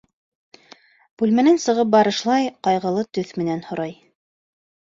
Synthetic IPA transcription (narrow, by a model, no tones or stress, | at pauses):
b̥ʉlmænænsɤ̆ʁɤp̚bɑɾɤ̆ʃlˠɑjqɑjʁɤ̆lˠɤt̪ɵθmɘ̆nænhŏɾɑj